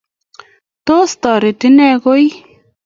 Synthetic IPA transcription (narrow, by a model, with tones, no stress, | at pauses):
t̪o˦st̪ɔ˨ɾɪ˨tɪ˦nɛ˦˧ko˦j